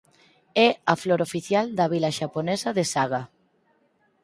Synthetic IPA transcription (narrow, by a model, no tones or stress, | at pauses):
ɛafloɾofiθjald̪ɐβ̞ilaʃaponɛsaðesaɣ̞a